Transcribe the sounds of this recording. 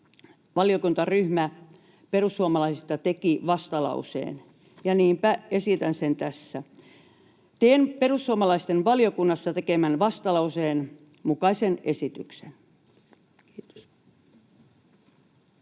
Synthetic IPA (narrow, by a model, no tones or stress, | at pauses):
ʋɑlijokunt̪ɑryhmæ | perusːuɑmɑlɑisit̪ɑt̪ekiʋɑst̪ɑlɑ̰usḛːn | jɑniːmpæesit̪ænsent̪æsːæ | t̪eːnperusːuɑmɑlɑist̪enʋɑljokunːɑsːɑt̪ekemænʋɑst̪ɑlɑuseːn | mukɑisenesit̪yksen | t̪